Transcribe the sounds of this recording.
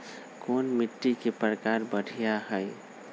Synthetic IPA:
koːnmiʈːikepɾəkaɾbəɽ̤ʱijaɦəj

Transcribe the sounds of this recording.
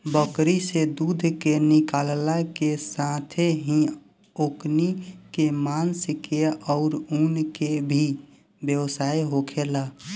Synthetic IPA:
bəkɾised̪ud̪ʱkenikallakesãt̪ʰeɦĩ | oknikemanskeɔʊɾunkebʱi | bjəwsaːjɦokʰela

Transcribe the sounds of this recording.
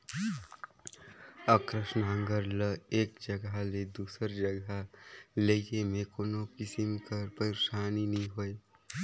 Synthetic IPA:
əkɾəʃnaŋɡəɾləeːk̚d͡ʒəɡaled̪uːsəɾd͡ʒəɡalejemẽkoːnokɪsimkəɾpəiɾsaːninĩɦoe

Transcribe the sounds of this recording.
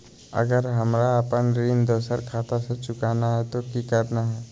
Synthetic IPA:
ə̰ɡəɾɦɐmɾaəpənɾind̪oːsəɾkʰaːt̪aset͡ʃʊkaːnaɦɛt̪okikəɾnaɦɛː

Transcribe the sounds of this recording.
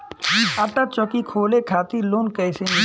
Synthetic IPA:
aʈat͡ʃɔkikʰoːlekʰaːt̪iloːnkɛːsem

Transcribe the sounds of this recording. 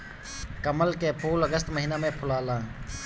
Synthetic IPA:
kəməlkepʰoːləɡəst̪məɦiːnamẽpʰʊlaːlãː

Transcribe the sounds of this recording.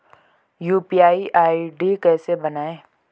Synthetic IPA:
juːpiaːiʔaːiɖikɛːsebɐnaːẽː

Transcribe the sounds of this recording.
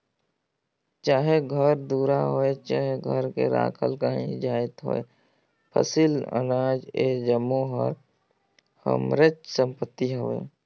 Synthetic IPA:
t͡ʃaːɦeɡʱəɾd̪uːɾaɦoːet͡ʃaːɦeɡʱəɾkḛɾa̰ːkʰə̰lkaːɦḭ̃d͡ʒaːɪt̪ɦo̰ːe | pʰə̰silə̰naːd͡ʒeːd͡ʒəmːoɦə̰ɾ | hə̰mɾɪt͡ʃsə̃mpət̪ːiɦoʋḛː

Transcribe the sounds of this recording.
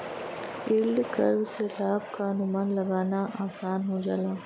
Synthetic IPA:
ɪːlɖkɐ̰ɾbselaːbkaɦɐnʊmaːnlɐɡaːnaʔaːsaːnɦod͡ʒaːlaː

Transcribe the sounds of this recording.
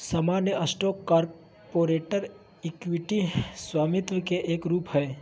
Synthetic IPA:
sɐmaːnjəʔɐsʈɔːkːaːɾ | poːɾeːʈəɾ | ɪkwɪʈiswaːmɪt̪ʋəkeʔeːkɾuːpɦɛː

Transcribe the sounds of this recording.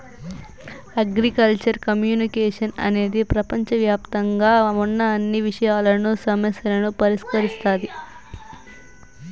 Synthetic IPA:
ɐɡɾikɐlt͡ʃɐɾkɐmjuːnikeːʂɐnɐ̰ne̞ːd̪ipɾɐpɐɲt͡ʃɐʋjaːpt̪ɐŋɡaːunːɐɐnːiʋiʂɐjaːlɐnusɐmɐsjɐlɐnupɐɾiʂkɐɾist̪aːd̪i

